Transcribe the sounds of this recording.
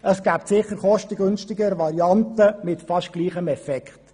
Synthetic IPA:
ʔəsɡ̥æːptsɪχəɾχɔʃtəɡʏnʃtɪɡəɾʋɑɾiɑntəmɪtfɑʃɡ̥liːχəmɛfɛkχt

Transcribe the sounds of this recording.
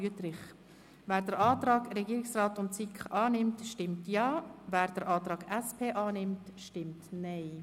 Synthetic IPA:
yətɾɪχ | væːɾdəɾɑːtɾɑːɡɾɛɡiːɾɪksrɑːtʊntsikχʔɑːnɪmtʃtɪmtjɑːvæːɾd̥əɾʔɑːt̪ɾɑːɡæspʰeːʔɑːnɪmtʃtɪmtnɛɪ

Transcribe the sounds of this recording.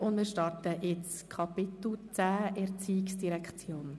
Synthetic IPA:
ʊndmiːɾʃtɑrtəʔɪt͡s | kʰɑpɪt̪l̩t͡sæːɛɾt͡siːiksd̥iɾɛkχt͡sjoːn

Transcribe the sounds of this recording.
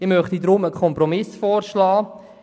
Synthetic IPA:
ɪmœχt̪idɾʊməkʰɔmpɾɔmɪsfɔːɾʃlɑː

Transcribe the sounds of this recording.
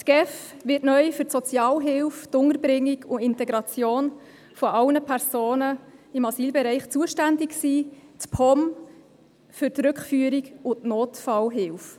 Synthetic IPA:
tɡ̥ɛfʋɪtnœʏfʏɾtsɔt͡sjɑːlɦɪlftʊŋəɾbɾɪŋːiɡʊɪntɛɡɾɑt͡sjoːn | fɔʔɑwnəpʰæɾzoːnəɪmɑsiːlbɛɾɛɪχt͡suəʃtændɪksiːtpʰɔm | fʏɾtɾʏkχfyəɾikʊtnoːtfɑlɦɪlf

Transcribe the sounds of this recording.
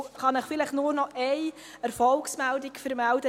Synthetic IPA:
χɑnəχfɪləχtnuːrnɔʔɛj | ɛɾfɔlksmældɪkfəɾmæld̥ə

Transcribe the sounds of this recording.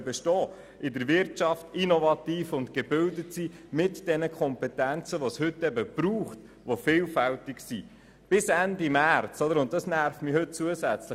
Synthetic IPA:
bɛʃtɔː | ʔɪdəɾʋɪɾtt͡ʃɑftinovɑtiːfʊntɡ̥eb̥ʏldətsimɪtd̥ɛnəkʰɔmpɛtænt͡səʋoshʏtːɛbəb̥ɾuːχt | ʋofɪːlfæltɪksi | b̥ɪsændimært͡sɔd̪əɾʊnt̚dɑsnæɾfmihɵt̚t͡suəsæt͡slə

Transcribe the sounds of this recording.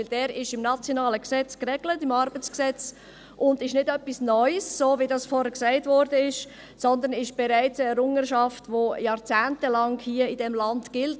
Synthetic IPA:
ɪld̥ɛːɾɪʃɪmnɑt͡sjonɑːləksɛt͡skrɛɡlətɪmɑɾbət͡sksɛt͡s | ʔʊndɪʃnɪdœpːisnɔʏsːoːvidɑsfɔɾhɛɾksaɪtvɔɾdəɪʃ | sɔnd̪ənɪʃb̥ɛɾaɪt͡səɛɾʊŋəʃɑftʋojɑːɾt͡sæːntəlɑŋhiəidɛmlɑntɡ̥ɪlt

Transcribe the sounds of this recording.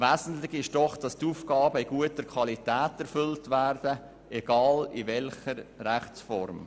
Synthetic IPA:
ʋæːzn̩tlɪɡɪʃd̥ɔχd̥ɑstuːfkɑːbəiɡuətəɾkʰʋɑlitæːtɛɾfʏltʋæːɾd̥ə | ɛɡ̥ɑːliʋɛlχəɾræχt͡sfɔ̰ɾm

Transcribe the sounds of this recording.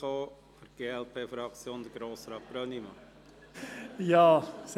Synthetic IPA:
oː | fəɾɡ̥eːɛlpʰeːfɾɑkt͡sjoːnd̪əɡ̥ɾoːsɾɑt̚b̥ɾœnimɑ | jɑːs

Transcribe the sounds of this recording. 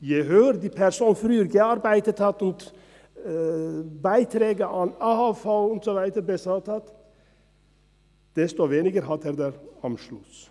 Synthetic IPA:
jæɪɦøːɾd̪iːpʰæɾsuːnfɾyːɾɡæɑɾbæɪt̪ət̪ɑt̪ʊnt̪ | bæɪt̪ʰɾeːɡəʔɑnɑhɑfɑʊɔnsɔʋæɪd̪əɾbɛsɑt̪ɑt̪ | d̪̥ɛst̪ɔʋeːnɪɡəɾɦɑt̪æɾd̪ɛɾɑmʃlʉs

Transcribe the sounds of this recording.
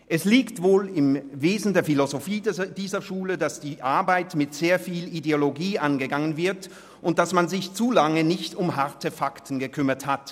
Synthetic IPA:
ʔɛsliːktv̥oːlɪmveːzn̩deːɐfilozofiːdd̥iːzɐʃuːlədasd̥iːʔaɐbaɪtmɪtz̥eːɐfiːlideoloɡiːʔanɡəɡaŋənvɪɐt | ʔʊnt̚d̥asmanzɪçt͡suːlaŋənɪçtʊmhaɐtəfaktn̩ɡəkʰʏmɐthat

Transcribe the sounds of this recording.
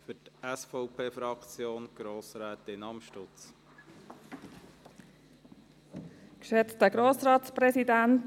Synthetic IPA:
fʏtɛsfɔʊpʰeːfɾɑkt͡sjoːnɡ̥ɾoːsɾɛːt̪ɪnɑmʃtʊt͡s | kʃɛt͡stəɡɾoːsɾɑːtspɾɛsidænt

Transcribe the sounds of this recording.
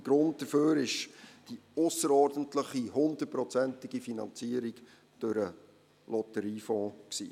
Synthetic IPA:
ɡ̥ɾʊnt̚d̥əføːɾɪʃd̥iʊsəɾɔːɾdən̩tləχihʊnd̪ət̚pɾɔt͡sɛntɪɡifinɑ̰nt͡siəɾiɡ | d̥øɾə | lɔtəɾiːfɔ̃ːksḭː

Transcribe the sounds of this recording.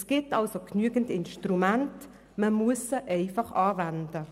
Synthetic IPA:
sɡ̥ɪtɑlsoknyəɡən̩tɪnʃtrumænt | məmuəsəʔɛɪfɑχɑːvænd̥ə

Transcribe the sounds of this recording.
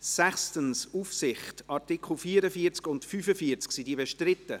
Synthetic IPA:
sæχstənsufsɪχtɑɾtɪkχl̩fiːɾəfiət͡skʊntfyfəfiəɾt͡sksidiːbɛʃtɾɪtːə

